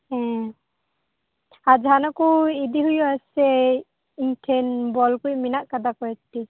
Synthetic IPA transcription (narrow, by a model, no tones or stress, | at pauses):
ɛ̃ | ad͡ʒɦanɔkuid̪iɦujuasɛ | inʈʰɛnbɔlkujminaʔkad̪akɔɛt̪i